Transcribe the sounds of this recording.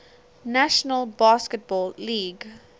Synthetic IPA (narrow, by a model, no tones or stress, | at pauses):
næʃənəlˠbaːskət̚bɔːlːiːɡ